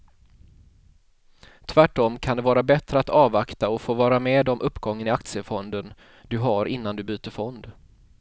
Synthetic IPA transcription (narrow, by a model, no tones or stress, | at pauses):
t̪ʰvæʈːɔmkʰand̪ɛvɑːɾabɛt̪ɾəat̪ɑːvakt̪aɔfoːvɑːɾameːd̪ɔmʔɵpːɡɔŋːənɪak̚t̪sɪəfɔnd̪ən | d̪ɵɦaɾʔɪnːand̪ɵbyːt̪əɾfɔnd̪